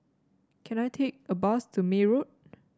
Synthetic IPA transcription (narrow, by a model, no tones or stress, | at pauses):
kʰɛ̃najtʰek̚əbɔstʰumeɹot̚